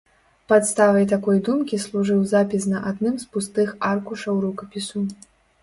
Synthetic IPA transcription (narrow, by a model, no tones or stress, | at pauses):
pat̪st̪avɐjt̪akɔjd̪umkʲislˠuʐɨwzapʲisnɐʔad̪nɨmspust̪ɨxarkuʂɐwɾukɐpʲisu